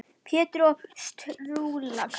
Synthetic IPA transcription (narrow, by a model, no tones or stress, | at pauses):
pʰjɛːt̪ɾɔst̪ɾulakʰ